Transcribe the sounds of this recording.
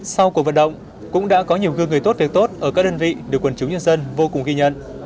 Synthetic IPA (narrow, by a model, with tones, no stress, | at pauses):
sa˧wku˨˩kvə̰˧˨nɗə̰˧˨wŋ͡m | kʊ̰˧˥ŋ͡mɗa̰ː˧˥kɔ˨˦ɲi˨˩əwɣɨ˧ŋɨ˨˩əjt̪o˦˥t̚vi˨˩ək̚t̪o˦˥t̚ʔəː˧˩kaː˦˥k̚ɗəː˧nvḭ˧˨ɗɨ˨˩əkːwə˨˩nt͡ɕʊ˨˦ŋ͡mɲə˧nzə˧nvo˧kʊ˨˩ŋ͡mɣi˧ɲə̰˧˨nʔ